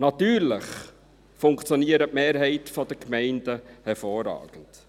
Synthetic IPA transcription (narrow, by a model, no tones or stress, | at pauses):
nɑt̪yːɾləχ | fʊŋkt͡sjɔniəɾəmeːɾɦɛɪtfɔd̥əkmɛɪndəhɛɾfoːrɑ̰ːɡ̥ənd̥